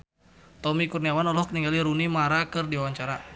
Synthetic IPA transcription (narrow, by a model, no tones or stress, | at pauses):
t̪ɔmikurniawanɔlɔhkəniŋɡaliɾunimaɾakɨrdiwawaɲt͡ʃaɾa